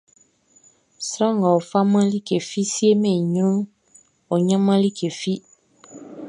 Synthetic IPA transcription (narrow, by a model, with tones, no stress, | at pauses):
sɾã˦˨ŋɡa˨o˨fa˦mã˦li˦ke˨fi˦si˦e˦mɛ̃˨ɲ˦ɾũ˦ŋ | o˨ɲã˦mã˦li˦kʰe˨fi˦